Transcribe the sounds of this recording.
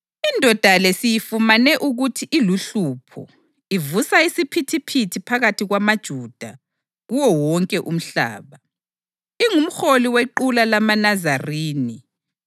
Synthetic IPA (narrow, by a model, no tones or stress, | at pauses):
indʱɔd̥ʱalesijifumanɛʔuɣutʰiʔiluɬupʰɔ̰ | ivusaisipʰitʰipʰitʰipʰaɣatʰiɣwamad̥ʒ̥ʱud̥ʱa | ɣuwɔwɔŋkʼɛʔum̩ɬa̰ːβa | iŋum̩xoliweǃulalamanazariːni